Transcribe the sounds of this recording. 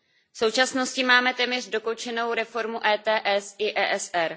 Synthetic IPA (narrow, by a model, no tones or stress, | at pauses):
fso̞wt͡ʃasno̞scɪmaːmɛt̪ɛːmɲɛr̝do̞kowt͡ʃɛno̞wɾɛfo̞ɾmuʔɛːt̪ɛːʔɛsɪʔɛːʔɛsʔɛɾ